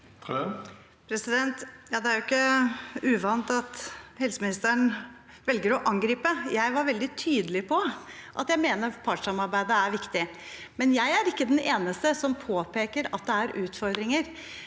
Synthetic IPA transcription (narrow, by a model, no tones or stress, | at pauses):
pʰɾɛsɪd̪ɛnt̪jɑːd̪ɛæɾʊɪkːəʉːʋɑnt̪ɑt̪hɛlsəmɪnɪst̪əɳ | ʋɛlɡəɾɔʔɑŋɡɾiːpəjæɪʋɑɾʋɛld̪ɪt̪ʰyːd̪əlɪpʰɔʔɑ̰t̪jæɪmeːnəɾpʰɑʈʂɑmɑɾbæɪd̪əæɾʋɪkt̪ɪ | mɛnjæɪæɾɪkːəd̪ɛneːnəst̪əsɔmpʰoːpeːkəɾɑ̰t̪̚d̪ɛæɾʔʉːt̪fɔɾd̪ɾɪŋəɾ